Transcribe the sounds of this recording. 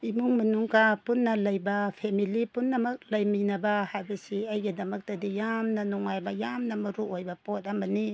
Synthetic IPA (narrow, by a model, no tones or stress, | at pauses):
imuŋmɐnuŋkapunːɐlɐjbɐpʰemilipunːɐmɐk̚lɐjminɐbɐhajbɐsiɐjɡɐdɐmɐk̚tɐdijamnɐnuŋːajbɐjamnɐmɐɾuojbɐpot̚ɐmɐni